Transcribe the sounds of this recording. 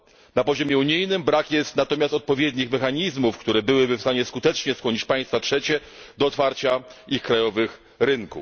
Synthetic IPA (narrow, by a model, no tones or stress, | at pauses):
napɔʑɔmʲjɛuɲijnɘmbɾakjɛst̪nat̪ɔmʲjast̪ɔt̪̚pɔvʲjɛd̪ɲixmɛxaɲizmufkt̪uɾɛbɘwɘbɘfst̪aɲɛskut̪ɛt͡ʂɲɛskwɔɲit͡ɕpaj̃st̪fatʂɛt͡ɕɛd̪ɔːt̪faɾt͡ɕaixkɾajɔvɘx | ɾɘŋkṵ